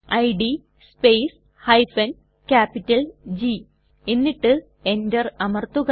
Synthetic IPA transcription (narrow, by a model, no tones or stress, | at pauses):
ɐjɖi | speːs | hɐjfɐn | kaːpːitːɐld͡ʑi | e̞nːiʈːɨ | e̞ndɐrɐmɐrt̪uɣɐ